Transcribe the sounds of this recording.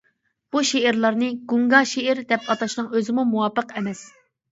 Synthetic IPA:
b̥uʃeɪɾlˠɑɾnɨɡuŋɡɑʃeɾd̪ɛpʰɑt̪ʰɑʃnɨŋøzɪmumuwɑːpəqɛmɛs

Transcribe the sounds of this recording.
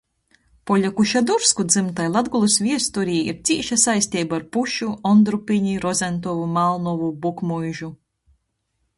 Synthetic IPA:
pɔʎʲakuʃad̪uɾskud̪zɨmt̪ajlˠad̪ɡulˠusvʲiɛst̪uɾiːḭɾt̪sʲiːʃasajsʲt̪ʲiːbaɾpuʃuɔnd̪ɾupiɲiɾɔzɛnt̪̬ɔvumalˠnɔvubukmujʒu

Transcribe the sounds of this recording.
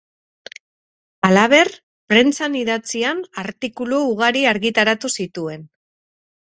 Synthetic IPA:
alaβ̞e̞r | pɾe̞nt͡saniðat͡sianaɾt̪ikuluuɣaɾiaɾɣit̪aɾat̪usit̪ue̞n

